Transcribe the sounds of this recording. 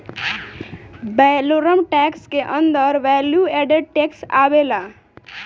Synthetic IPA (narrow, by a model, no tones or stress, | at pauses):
bɛloɾəmʈɛkskeʔənd̪əɾʋɛljuɛɖeɖ̚ʈeksa̰bela